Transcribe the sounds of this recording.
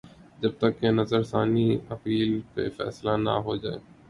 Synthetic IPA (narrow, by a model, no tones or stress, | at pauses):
d͡ʒɐb̚t̪əkːenɐzəɾsaːniɐpiːlpḛfɛ̰ːslana̰ɦod͡ʒaːḛː